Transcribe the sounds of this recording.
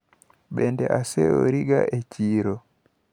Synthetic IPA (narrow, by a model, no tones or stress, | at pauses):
ɓɛndɛʔasɛɔɾiɡa̰ʔɛt͡ʃiːɾɔ